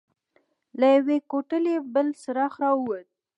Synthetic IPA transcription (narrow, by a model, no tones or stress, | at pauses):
lajawekoʈəlebəlsəɾɑxɾɑuwət̪̚